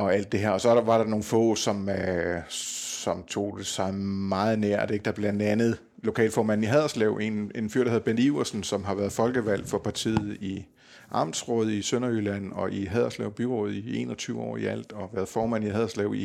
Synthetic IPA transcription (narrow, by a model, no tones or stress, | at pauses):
ɒ̽æl̰d̥̚ːe̝ɦeɐɒ̽sɒ̽ʋɑ̈ɾ̥ɑ̈no̝ːn̩fɔ̰̽ːsɒ̽m | sɒ̽mt͡sʰo̝̰ːd̥esɑ̈ɪmɑ̈ːð̞̩ˠneɐ̰d̥eɡ̥̚d̥ɑ̈b̥lænd̥ænð̩ˠ | lo̝kʰɛ̰ːlfɒːmænn̩iɦɛðˠɐslɛʊ̰e̝ne̝nfyɐd̥heð̩ˠb̥eniʊɐsn̩sɒ̽mɦɑ̈ʋæɐðˠfɒ̽lɡ̥əʋæl̰fɒ̽pʰɑ̈t͡sʰḭːð̩ˠi | ʔɑ̈mdsʁɔ̰ːð̞̩̰ˠisønɐylænɒ̽ʔiɦæðˠɐslɛ̰ʊb̥iʁɔð̞̩ˠie̝̰ːnɒ̽t͡sʰyːʊɒ̰ːiæl̰d̥ɒ̽ʋæːɐð̩ˠfɒːmæn̰iɦɛðˠɐslɛʊi